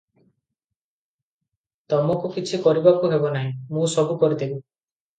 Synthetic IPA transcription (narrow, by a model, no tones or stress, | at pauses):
t̪ɔmɔkukit͡ʃʰikɔɾibakuɦebɔnaɦĩmũsɔbukɔɾid̪ʰibi